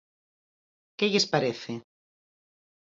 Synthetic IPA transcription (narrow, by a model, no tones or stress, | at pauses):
keʎespaɾeθe